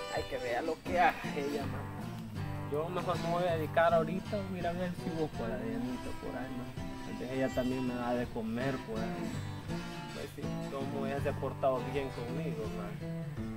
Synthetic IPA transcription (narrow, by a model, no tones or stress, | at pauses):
a̰jkeβeɾalokeaɣaejama | a | d͡ʒomaɦmamojaðeðikaðaoɾit̪awiɾaβeɾsiβokʷaðaðeenit̪opo̰ɾajmas | ḛnsesejat̪amjeŋmeaðekomeɾpoɾajma | pwḛsḭkomoeaðepoɾt̪aðoβjeŋkoŋmiɣomas